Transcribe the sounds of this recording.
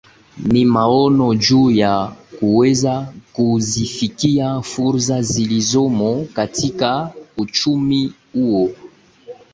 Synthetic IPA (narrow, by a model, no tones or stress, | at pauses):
mimaɔnɔd͡ʒujakuwezakuzifikiafuɾzazilizomɔkatikaut͡ʃumi | uwo